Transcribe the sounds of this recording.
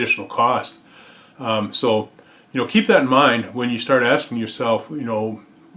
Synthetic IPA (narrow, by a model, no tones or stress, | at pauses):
ɪʃnl̩ˠkʰɔst | soʊ | jɨnoʊkʰip̚ðɨɾn̩mãɪ̃ndwɨ̃njɨstɑɹɾæskɪ̃ŋjə˞sɛlˠfjɨnoʊ